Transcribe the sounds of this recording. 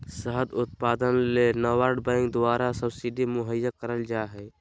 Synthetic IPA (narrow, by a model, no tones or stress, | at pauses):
səɦəd̪ʊt̪̚paːd̪ənlenəwaɾɖbãɪŋkd̪ʊaːɾasəbsiɖimʊɦəjːakəɾəld͡ʒaɦɛ